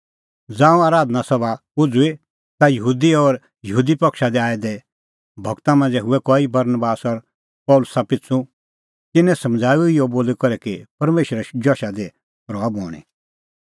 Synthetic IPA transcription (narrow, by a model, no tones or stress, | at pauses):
d͡zãːũaːɾaːd̪nasɐba | ʊd͡zui | t̪ajɐɦuːd̪iɔɾ | jɐɦuːd̪ipɐkʃad̪ɛaːɛd̪ɛ | bʱɔɡt̪amãnd͡zɛɦʊɛkɔːibɐɾnbaːsɔɾ | pɔːlʊsapɪt͡sʰũ | t̪ɪnːɛ̃sɐ̃md͡zʱaːjuɪjoboːlikɔɾɛkipɐɾmeːʃɾɛd͡ʒɔʃad̪ɛ | ɾɔabɔːɽ̃ḭ